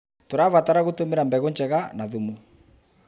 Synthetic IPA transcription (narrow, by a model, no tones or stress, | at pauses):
toɾaβataɾaɣotomeɾambɛɣond͡ʒɛɣanaðumu